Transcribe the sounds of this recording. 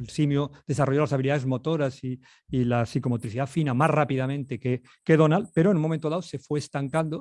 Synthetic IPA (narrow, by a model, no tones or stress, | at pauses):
elsimjuðe̞saroʝolasaβiliðaðe̞zmo̞t̪oɾasiː | lasikomot̪ɾiθiðafinamasrapiðamẽnt̪eke | keðonalpeɾoenũnmo̞mẽnt̪oðaose̞fweːst̪aŋkand̪o